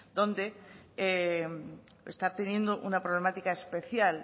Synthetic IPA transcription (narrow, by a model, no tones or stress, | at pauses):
d̪̥õ̞nd̪e̞e | est̪at̪e̞njẽ̞nd̪oʔunapɾo̞β̞le̞mat̪ikaespe̞θjal